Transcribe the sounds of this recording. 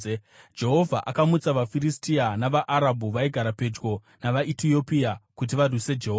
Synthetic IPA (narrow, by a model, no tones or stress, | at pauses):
d͡ʒe̞ɦo̞vʱaʔakamut͡saʋafiɾistianaʋaʔaɾabʱuʋaiɡʱaɾape̞d͡ʒɡo̞ | naʋaʔitijo̞piakut̬iʋarwise̞d͡ʒe̞ɦoːa